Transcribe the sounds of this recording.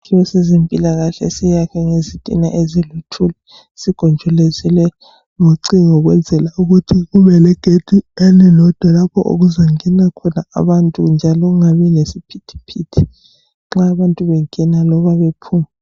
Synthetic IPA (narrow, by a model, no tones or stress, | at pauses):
ijɔsezempʼilaɣaɬɛ̰sijakʰɛŋezitʼḭna̰ʔezilutʰulɛ | siɡ̥ʱɔnd͡ʒʱɔlezilɛ | ŋoǀiŋɔɣwɛnd͡zʱɛlauɣutʰiɣuβɛlɛɡ̥ʱed̥ʱʼiɛlɛlɔd̥ʱwalapʰɔʔo̰ɣuzaŋɛnakʰɔna̰ːβantʼṵnd͡ʒʱalɔuŋaβɛnesipʰitʰi̥pʰitʰi̥ | ŋ͡ǁaːβantʼuβɛŋɛnalɔβaβepʰuːma